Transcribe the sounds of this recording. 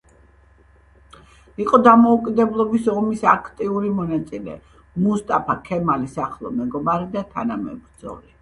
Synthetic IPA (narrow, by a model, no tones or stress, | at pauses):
iqʼɔd̪amɔukʼid̪ɛblˠɔbisɔmisakʰt̪ʼiuɾimɔnat̪sʼilɛ̰ | must̪ʼapʰakʰɛmalisaχlˠɔ̰mɛɡɔbaɾid̪at̪ʰanamɛ̰bɾd̪zɔ̰li